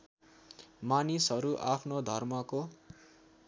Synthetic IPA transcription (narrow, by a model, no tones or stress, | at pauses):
manisɦʌɾuʔapʰnod̪ʱʌrmʌko